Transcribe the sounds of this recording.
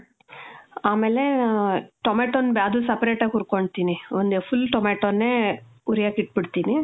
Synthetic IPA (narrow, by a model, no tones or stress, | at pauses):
aːmeːle | ʈomeːʈoːnbjaːd̪ulsɐpɐɾeːʈaːɡuɾkoɳɖt̪iːniond̪efʰulʈomeːʈoːnːeː | uɾijaːkiʈ̚biɽt̪iːni